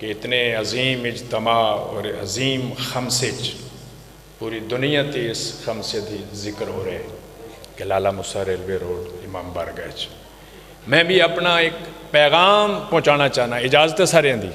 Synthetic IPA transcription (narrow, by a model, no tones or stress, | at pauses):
keɪt̪neːəziːmɪd͡ʒt̪əmaːɔ̰ːɾə̰ziːmxəmseːt͡ʃ | puːɾiːd̪ʊnɪjãːt̪iːɪsxəmsed̪iːzɪkəɾɦoːɾeː | kelaːlaːmʊsaːɾeːlʋeːɾoːɖɪmaːmbəɾɡəet͡ʃ | mɛ̃ːbʱiːəpnaːɪkpɛːɣaːmpəɦʊ̃t͡ʃaːnaːt͡ʃaːɦnaːɪd͡ʒaːzət̪esaːɾjãːd̪iː